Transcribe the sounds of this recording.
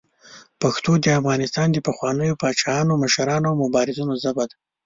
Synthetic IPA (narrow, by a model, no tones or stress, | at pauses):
paxt̪od̪əafɣɑnɪst̪ɑnd̪əpaxwɑnəjopɑt͡ʃɑjɑnomaʃaɾɑnoawmʊbɑɾɪzunozabad̪a